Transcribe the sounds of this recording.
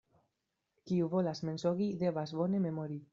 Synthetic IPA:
kiuvolazmensoɣid̪eβazβonememoɾi

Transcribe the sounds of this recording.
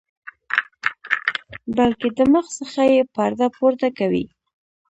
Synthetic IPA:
balked̪əməxsəxajepaɾd̪apoɾt̪akawḭ

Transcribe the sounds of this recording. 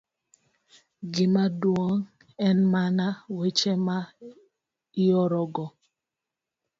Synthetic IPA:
ɡɪmadwɔŋ | ɛnmanawet͡ʃema | iɔɾɔɡɔ

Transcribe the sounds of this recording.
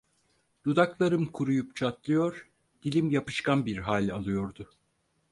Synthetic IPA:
d̪̥ud̪aklˠaɾɯmkʰuɾujupt͡ʃʰat̪̚lˠɯjo̞ɾ | d̪̥ilʲimjapɯ̥ʃkʰanbiɾɦalʲalˠɯjo̞ɾd̪ʊ

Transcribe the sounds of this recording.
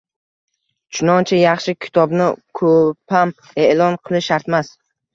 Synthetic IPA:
t͡ʃʰʊnɒnt͡ʃʰajɑχʃɪkʲʰɪ̥t̪ʰɒbnɪkʰopʰam | e̞ʔlˠɒnqʰɨlˠɪʃaɾt̪mas

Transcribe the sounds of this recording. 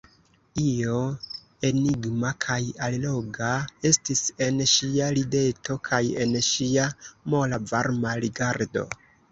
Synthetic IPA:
io̞ | e̞niɡmakʰajallo̞ɡae̞stise̞nʃialide̞tʰo̞kʰaje̞nʃiamo̞lavaɾmaliɡaɾdo̞̰

